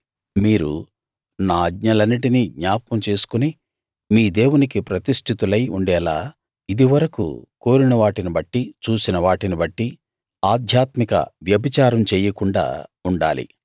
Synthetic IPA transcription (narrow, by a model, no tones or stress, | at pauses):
miːɾṵ | naːɐd̪ɲɐlɐnːiʈiniɡɲaːp̚kɐmt͡ʃe̞ːsu̥kuni | miːd̪e̞ːwunikipɾɐt̪iʂʈʰit̪ulɐjuɳɖɛːlaː | id̪iʋɐɾɐkṵko̞ːɾinɐʋaːʈinibɐʈːit͡ʃuːsinɐʋaːʈinibɐʈːi | aːd̪ʱjaːt̪mikɐ̰ʋjɐbit͡ʃaːɾɐmt͡ʃɛːjɐkuɳɖa̰ːuɳɖa̰ːlḭ